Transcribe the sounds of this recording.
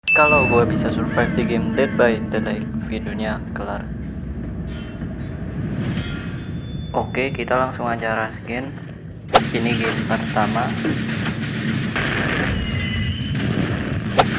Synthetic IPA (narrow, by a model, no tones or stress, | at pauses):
kalawɡuabisasurfajfdiɡemdɛt̪̚baɪt̪ədajfiduniakəlar | ʔokekit̪alaŋsʊŋat͡ʃaɾasɡɪn | iniɡempərt̪ama